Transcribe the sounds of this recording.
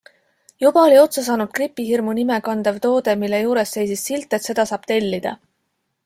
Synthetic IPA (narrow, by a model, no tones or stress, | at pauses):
jub̥ɑo̞lʲio̞t̪sɑs̬ɑːnud̪̥kripːˑiɦirmunime̞kɑnd̪̥evt̪o̞ːd̪̥e̞milːe̞juːɾe̞sːe̞jsisːilt̪ːˑe̞t̪se̞d̪̥ɑsɑːb̥t̪e̞lʲːid̪̥ɑ̰